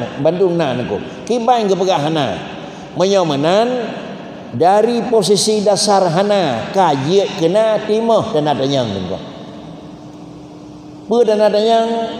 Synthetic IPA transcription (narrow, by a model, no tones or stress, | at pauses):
mbanduŋnaʔnəkṵʔ | kibaiŋɡəpəɡaʔɦana̰ | məɲɔmənan | daɾipos̬isidasarɦanakad͡ʒəʔ̚kənaʔt̪iməhdanadaɲaŋkə̰ŋko̰ʔ | pədanadaɲaŋ